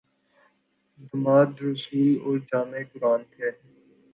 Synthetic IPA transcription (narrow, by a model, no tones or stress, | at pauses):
d̪əmaːd̪ɾʊsiːloːɾd͡ʒaːmeːkʊɾaːnt̪ʰeː